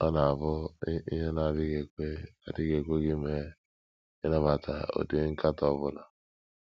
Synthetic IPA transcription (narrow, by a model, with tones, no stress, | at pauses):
ɔ˦na˨a˨vʊ˦ḭ˦ɦe˦na˨dɪ˦ɡe˨e˦a˨di˦ɡe˨kʷe˦ɡi˦me˦ | e˦na˦ba˨tʰa̰˨o̰˨di˦ŋ̩˦ka˦tɔ˦˨βʊ˦na˨